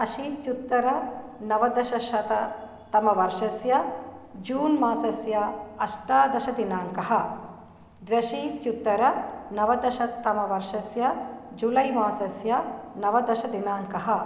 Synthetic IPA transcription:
ɐʃit̪jut̪ːɐɾɐnɐʋɐd̪ɐʃɐʃɐt̪ɐ | t̪ɐmɐʋɐɾʂɐsjɐd͡ʒuːnmaːsɐsjɐɐʂʈaːd̪ɐʃɐd̪inaːŋkɐɦɐ | d̪ʋjɐʃit̪jut̪ːɐɾɐnɐʋɐd̪ɐʃɐt̪ːɐmɐʋɐɾʂɐsjɐd͡ʒulɐjmaːsɐsjɐnɐʋɐd̪ɐʃɐd̪inaːŋkɐɦɐ

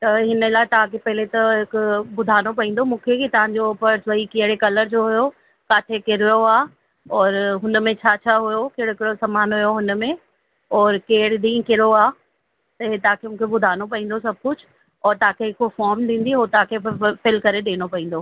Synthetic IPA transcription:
t̪ɐɦɪnəlaːɪt̪ɐʋ̤ãkʰepɐɦɪlet̪ɐɦɪkʊbʊd̪ʱaːñop̬ɐɦĩːnd̪omũːkʰekit̪ɐʋ̤ãɲd͡ʑopɐɾsɐikeɦɪɽekɐləɾd͡ʑoːɦʊjo | kaːt̪ʰekɪɾjoaː | ɔːɾɦʊnmẽt͡ɕʰaːt͡ɕʰaːɦʊjokeːɽoɦɪkɪɽosɐmaːnɦujoɦʊnmẽ | ɔːɾkeːɽɪɗ̪ĩːkɪɾoaː | t̪ɐɦet̪ɐɦãkʰemũːkʰebʊd̪ʱaːñop̬ɐĩːnd̪osɐb̚ʱkʊd͡ʑʰʱʊ | ɔːɾt̪ɐɦãkʰeɦɪkofɔːɾmɗĩːn̆d̪iɦoːt̪ɐãkʰefɪlkɐɾeɗeːñopɐĩːn̆d̪oː

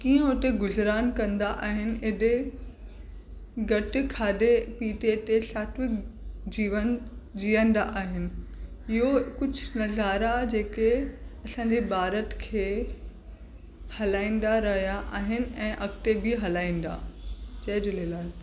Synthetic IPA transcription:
kiːə̃oːʈ̪eɡʊzɾaːnkɐ̃nd̪aʔaːɦɪnɪ̆ɪɗe | ɡɐʈɪ̆kʰaːdepiːʈet̪esaːʈʰʋɪkd͡ʑiːʋənd͡ʑiːə̃n̆d̪aʔaːɦɪnɪ̆ | ɪɦokʊd͡ʑʱʊnɐzaːɾad͡ʑeːkeɐsãːd͡ʑebaːɾət̪kʰeː | hɐlaːĩːn̆d̪aɾɐɦijaʔaːɦɪnɪ̆ɛ̃ːʔɐkʈ̪ebɪɦɐlaːĩːnd̪a̰d͡ʑɐɦɪd͡ʑʊlelaː

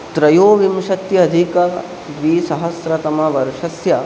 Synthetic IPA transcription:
t̪ɾɐjoːʋimʃɐt̪jɐːd̪ʱikɐ | d̪ʋiːsɐɦɐsɾɐt̪ɐmɐʋɐɾʂɐsjɐ

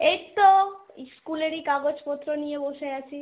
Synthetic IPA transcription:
eʈt̪o | skuleɾikaɡod͡ʑpɔt̪ːɾonijeboʃeat͡ɕʰi

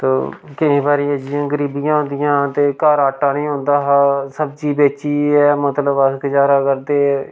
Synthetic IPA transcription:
t̪o̰ːkɪĩːbaːɾiːəd͡ʒiãːɡəɾiːbɪjãːɦõːnd̪ɪjãːt̪eːkaːɾaːʈːãːnĩːɦõːnd̪aːɦaːsəbd͡ʒiːbeːt͡ʃiːɛːmət̪ləbəskd͡ʒaːɾaːkəɾd̪eː

